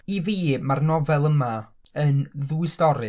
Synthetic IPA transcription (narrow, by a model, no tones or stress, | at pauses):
iviːmarnɔvɛlˠəma | ənðuːistɔɾɨ